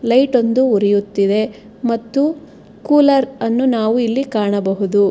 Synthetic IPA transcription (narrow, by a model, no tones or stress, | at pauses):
lɐjʈo̞nd̪uuɾijut̪ːid̪e̞ | mɐt̪ːu | kuːlɐɾɐnːunaːʋuilːikaːɳɐbɐɦud̪u